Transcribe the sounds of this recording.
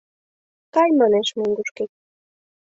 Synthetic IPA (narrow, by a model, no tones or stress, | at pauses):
kɑjmɑneʃmoŋɡuʃkek̚